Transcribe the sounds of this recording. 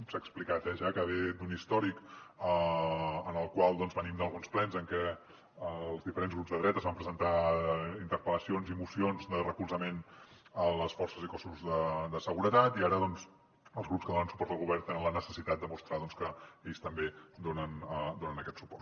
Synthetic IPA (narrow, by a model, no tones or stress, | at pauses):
saːksplikat̪aʒakəβed̪unist̪ɔɾikəənəlˠkwalˠd̪ɔnzβənimd̪əlˠɣunsplɛnzəŋkɛ | əlˠzðifəɾenzɣɾupzðəðɾɛt̪əzβampɾəzənt̪aint̪əɾpələsionzimusionzd̪ərəkulˠzəmenələsfɔrsəzikɔsuzðəd̪əsəɣuɾət̪at̪iaɾəðɔnz | əlˠzɣɾupskəðonənsu̥pɔɾt̪əlˠɣuβɛrt̪enənlənəsəsit̪at̪̚d̪əmust̪ɾaðɔnskəeʎst̪əmbed̪onənəd̪onənəkɛt̪su̥pɔrt̪